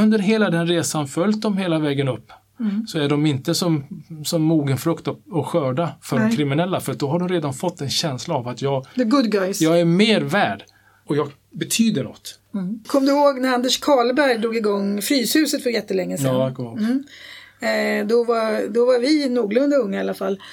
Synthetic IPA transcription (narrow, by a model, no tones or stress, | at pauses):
ɵnd̪əɾɦeːlad̪ɛnɾeːsanfœljt̪̚d̪ɔmheːlavɛːɡənɵpː | sɔæɖɔmɪnt̪əsɔmsɔmːuːɡənfɾɵkt̪ɔɔɧœːɖafœɾɖkʰɾɪmɪnɛlːafœɾat̪̚d̪ɔɦaɖɔmɾeːd̪anfɔt̪ːɛnɕɛnslaːvat̪ʰjɑːɡəɡʊd̪ɡaɪsjɑːɡæɾmeːɾvæːɖ | ɔjɑːɡ | bɛt̪ʰyːd̪əɳɔ̰t̪ː | kʰɔmːd̪ɵhoːɡnæɾand̪ɛʂkʰɑːlbæɾjd̪ɾuːɡɪɡɔŋːfɾyːshʉ̟ːsət̪fœɾjɛt̪ːəlɛŋːəsɛɔm̩ː | d̪ɔvaɾd̪ɔvaɾvɪnuːɡlɵnd̪aɵŋːaɪalːafalː